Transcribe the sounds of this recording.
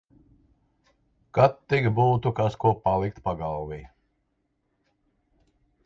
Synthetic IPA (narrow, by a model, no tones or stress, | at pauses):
kat̪ːiɡbuːt̪ukaskuɔpalˠik̚t̪paɡalˠvi